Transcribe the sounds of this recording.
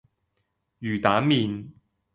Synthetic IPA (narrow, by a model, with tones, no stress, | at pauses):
jyː˨˩t̪aː˨˥nmiː˨˧n